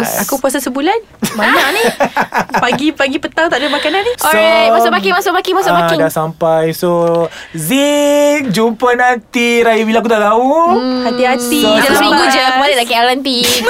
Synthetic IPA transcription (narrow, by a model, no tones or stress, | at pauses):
akupuas̬asəbulan | baɲaʔni | paɡipaɡipət̪awŋt̪aʔdəmakananisɔɾajmasʊʔbakɪŋmasʊʔmakiŋmasʊʔaŋdaʔsampajsozi | d͡ʒumpənant̪iɾajibilaak̬ut̪aʔt̪auhat̪iɦat̪id͡ʒəlasmĩŋɡud͡ʒəmadəd̪aʔkaalanpi